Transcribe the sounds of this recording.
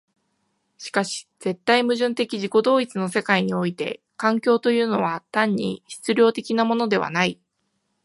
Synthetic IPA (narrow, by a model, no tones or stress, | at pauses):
ɕi̥kaɕi̥z̥e̞t̪ːaimɯ̟ʑɨ̃nt̪e̞kʲiʑiko̞d̪o̞ːit͡sɨno̞se̞kaiɲ̟io̞it̪e̞̰ | kãŋkʲo̞ːt̪o̞jɯ̟ːno̞β̞at̪ãɲ̟ːḭɕi̥t͡sɨɾʲjo̞ːt̪e̞kʲinamo̞no̞d̪e̞βa̰nai